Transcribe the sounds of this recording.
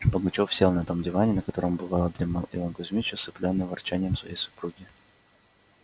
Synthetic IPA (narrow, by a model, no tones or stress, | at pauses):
pəɡʊt͡ɕofsʲelˠnɐt̪o̞mdʲɪvanʲɪnəkɐt̪o̞ɾəmbɨvɑlˠəd̪ɾʲɪmalˠɪvankʊzʲmʲit͡ɕəsɨplʲonːɨjvɐrt͡ɕænʲɪjəmsvɐ̰jejsʊ̥pɾuɡʲɪ